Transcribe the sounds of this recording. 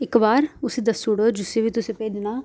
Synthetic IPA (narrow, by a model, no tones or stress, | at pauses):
ɪkbaːɾʊsẽd̪əsʊɽoːd͡ʒɪseːbiːt̪ʊsẽpeːd̪naː